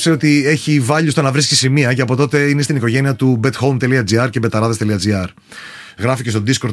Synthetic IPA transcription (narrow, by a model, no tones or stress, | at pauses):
seo̞t̪ie̞çivɐʎust̪o̞nɐvɾisci̥simiɐceɐpo̞t̪o̞t̪e̞inest̪iniko̞ʝe̞niɐt̪ube̞t̪xomt̪e̞liɐd͡ziɐɾce̞be̞t̪ɐɾɐðest̪eiɐd͡ziɐɾ | ɣɾɐficest̪od̪isko̞ɾd̪